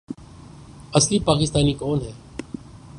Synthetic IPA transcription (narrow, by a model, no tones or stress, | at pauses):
əsliːpaːkɪst̪aːniːkoːnɦɛː